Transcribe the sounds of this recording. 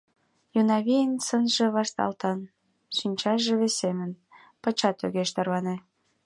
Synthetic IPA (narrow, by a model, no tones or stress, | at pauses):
junɑβijənsənʒĕβɑʃt̪ɑ̰lt̪ɑn | ʃynʲt͡ɕɑʒeβesemən | pə̆t͡ɕɑt̪øɣeʃt̪ərβɑne